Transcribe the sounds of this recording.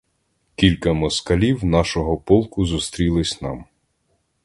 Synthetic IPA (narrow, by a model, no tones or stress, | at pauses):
kʲilʲkɐmɔskɐlʲiwnɑʃɔɦɔpɔlˠkʊzust̪ɾʲilˠɪsʲnɑm